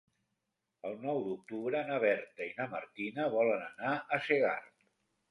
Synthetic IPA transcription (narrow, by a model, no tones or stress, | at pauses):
əlˠnɔwd̪uk̚t̪uβɾəːnəβ̞ɛɾt̪əinəmə̰ɾt̪inəβɔlənənaʔəseɣa̰rt̪